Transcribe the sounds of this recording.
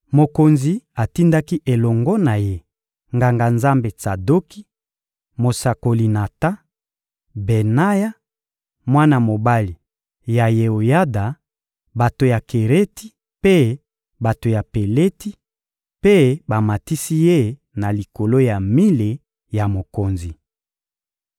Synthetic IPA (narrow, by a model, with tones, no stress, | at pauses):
mo˨ko˨nzi˨a˨ti˦nda˦ki˦ʔe˨lɔ˨ŋɡɔ˦na˨je˦ | ŋɡa˨ŋɡa˨nza˦mbe˨sa˨do˦ki˦ | mo˨sa˨ko˨li˨na˨ta˦ | be˨na˦ja˦ | mwa˦na˨mo˨ba˦li˨ | ja˨je˨o˨ja˦da˨ | ba˨to˨ja˨ke˨ʁe˦ti˦ | pe˦ | ba˨to˨ja˨pe˨le˦ti˦ | pe˦ba˨ma˨ti˦si˦je˦ | na˨li˨ko˨lo˦ja˨mi˦le˨ | ja˨mo˨ko˨nzi˨